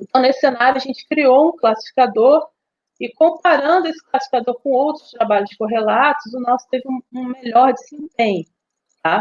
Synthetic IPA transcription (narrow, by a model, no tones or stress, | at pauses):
ẽt̪ɐ̃w̃nesɪ̥senaɾjʊɐʒẽnt͡ʃɪ̥kɾiowũklasi̥fi̥kad̪oɾ | ɪkõpaɾɐ̃nd̪ʊesɪ̥klasi̥fikad̪oɾkõowt̪ɾʊst̪ɾabaʎʊzd͡ʒɪkoɦelat̪ʊzʊnɔsʊ̥t̪evɪũũmeʎɔɾd͡ʒɪzẽpẽɲʊ | t̪a